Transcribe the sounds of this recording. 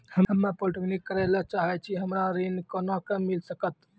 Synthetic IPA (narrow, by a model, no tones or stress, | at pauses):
həɦəmːapoʈəɡnikːəɾɛlat͡ʃaɦɛt͡ʃʰiɦəmɾaɾenkɔnakəmːilsəkət̪